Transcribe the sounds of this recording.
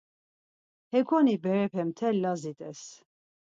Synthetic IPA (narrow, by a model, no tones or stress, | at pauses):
hɛɡʰɔnibɛɾɛpʰɛmt̪ʰɛlːazit̪ʼɛs